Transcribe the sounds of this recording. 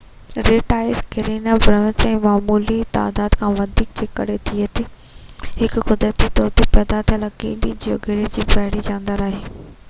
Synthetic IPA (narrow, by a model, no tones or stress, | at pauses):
ɾeːʈaːɪzkɪɾeːnabɾə̃ːt͡ɕɛ̃ːmaːmuːlit̪a̰ːd̪aːd̪kʰãːʋɐd̪ʱiːk̚d͡ʑeːkɐ̰ɾet̪ʰiət̪ʰiː | hɪkkʊd̪ɾət̪it̪ɔːɾt̪ipɛːd̪at̪ʰilakḛ̃ɗid͡ʑiːo̰ɡʱɪɽed͡ʑiːbɛːɽid͡ʑãːnd̪əɾaːɦeː